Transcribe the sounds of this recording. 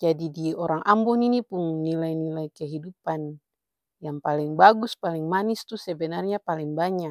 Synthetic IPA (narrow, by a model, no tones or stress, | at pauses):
d͡ʒadidiɔɾaŋʔambɔninipuŋnilajnilajkɛɦidupan | jaŋpaliŋbaɡuspaliŋmanist̪usɛbɛnarɲapaliŋbaɲak